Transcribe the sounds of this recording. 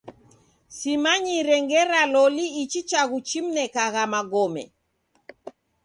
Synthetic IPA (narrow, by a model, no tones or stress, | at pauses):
simaɲiɾɛŋɡɛɾalɔliit͡ʃit͡ʃaɣut͡ʃim̩nɛkaɣamaɡɔmɛ̰